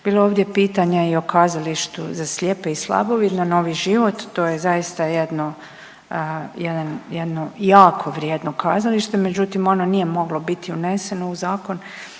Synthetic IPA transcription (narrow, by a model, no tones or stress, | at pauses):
b̥iːlˠooːʋd̪je̞piːt̪aɲaio̞kaːzaliʃt̪uzaslʲepe̞islˠa̰bo̞ʋid̪nano̞ːʋiʒiʋo̞t̪ːo̞ːjezajist̪ajed̪no | jed̪anjed̪no̞jaːkʰo̞ʋɾjed̪nokaːzaliʃt̪e̞me̞d͡ʑut̪imononije̞mo̞ɡlobit̪iune̞se̞nouzaːko̞n